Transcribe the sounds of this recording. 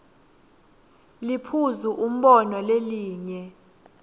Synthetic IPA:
lipʰuzuʔum̩ɓɔnɔleliːɲɛ

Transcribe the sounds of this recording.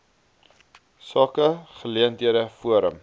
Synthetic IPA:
sɑːkəχəliəntɦiəɾəfuəɾə̰m

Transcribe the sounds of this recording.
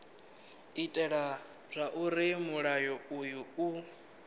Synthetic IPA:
itʼɛɺa | rʷaʔuɾimuɺajɔujuu

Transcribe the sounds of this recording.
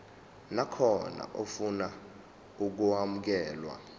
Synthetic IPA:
nakʰɔna̰ʔofuna | uk̬uamuk̬ɛːlwa̰

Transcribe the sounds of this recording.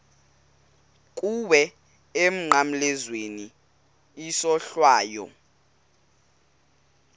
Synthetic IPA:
kʼuɓɛ | em̩ŋ͡ǃam̩lɛzweni | isɔɬwaːjɔ̰

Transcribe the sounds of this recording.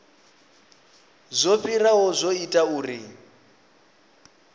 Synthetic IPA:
zʷofiraɦɔzʷoitʼauːri

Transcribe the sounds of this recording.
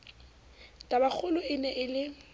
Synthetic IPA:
tʼabak͡xʰʊlʊɪnɛʔɪlɪ

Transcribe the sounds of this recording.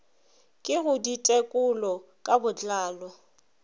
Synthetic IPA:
kʼɪɣʊditʼekʼʊlɔ | kʼabʊt͡ɬaːlɔ

